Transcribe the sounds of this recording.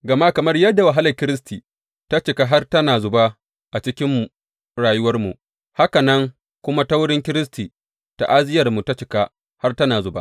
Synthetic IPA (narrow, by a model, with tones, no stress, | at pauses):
ɡɐ˨ma˦kɐ˨mɐ˦rjɐ˦dːa˨wa˨ɦa˦lɐ˨kʲɪ˦ɾɪ˦s̬tiː˨ | ta˦t͡ʃɪ˨ka˦ɦa˦rtɐ˦naː˨zʊ˨ba˦ | ʔa˨t͡ʃɪ˦kʲɪ˦m | ɽaː˨jʊ˦wɐ˦rmṵ˨ʔ | ha˦ka˨nɐ˦ŋ | kʷʊ˦ma˦ta˦wʊ˦ɽɪ˦ŋkʲɪ˦ɾɪ˦s̬tiː˨ | ta̰˨ʔa˦zɪ˦jɐ˨rmu˨ta˦t͡ʃɪ˨ka˦ | ha˦rtɐ˦naː˨zʊ˨ba̰˦